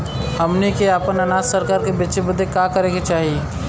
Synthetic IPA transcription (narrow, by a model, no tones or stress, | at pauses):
həmnikeaːpənənaːd̪səɾkaːɾkebit͡ʃebəd̪ʱekakəɾẽɡet͡ʃaːɦi